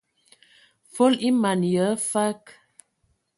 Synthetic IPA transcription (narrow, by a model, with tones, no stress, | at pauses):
fo˦li˦ma˨njə˨˦fa˦k